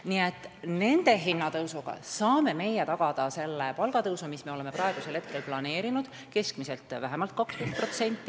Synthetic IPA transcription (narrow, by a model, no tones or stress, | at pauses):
niet̪ːˑne̞nd̪̥e̞ɦinːɑt̪ɤwsuɡ̥ɑ̰sɑːme̞me̞je̞t̪ɑɡ̥ɑd̪̥ɑse̞lːepɑlɡ̥ɑt̪ɤwsumisme̞o̞le̞me̞prɑeɡ̥use̞lhe̞t̪̚ke̞lplɑne̞ːɾinud̪̥ | ke̞skmise̞lt̪ˑvæɦemɑlt̪̚kɑksket̪̚pro̞t̪se̞nʲt̪ːi